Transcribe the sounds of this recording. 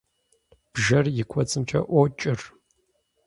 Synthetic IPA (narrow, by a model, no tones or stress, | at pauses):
b̥ʒɐrjɪkʷʰɔt͡sʼɨmt͡ʃʰɐ̰ʔʷɔt͡ʃʼɪr